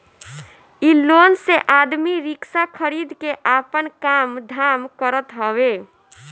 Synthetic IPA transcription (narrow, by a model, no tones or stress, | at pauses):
ilonseʔad̪miɾiksakʰəɾid̪ʱkeʔapənkamd̪ʱamkəɾət̪ɦəwe